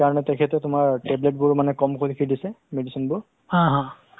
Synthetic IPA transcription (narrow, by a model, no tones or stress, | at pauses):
kaɹɔnɛtɛkʰɛtɛtʊmaɹʈeblet̚bʊɹmanɛkɔmkʰolikʰidisɛmedisɔnbʊɹ | hãɦã